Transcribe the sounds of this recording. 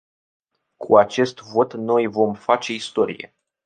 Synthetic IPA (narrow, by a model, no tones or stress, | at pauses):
kʰuat͡ʃe̞st̪vo̞t̪no̞jvo̞mfat͡ʃe̞ist̪o̞ɾḭje̞̰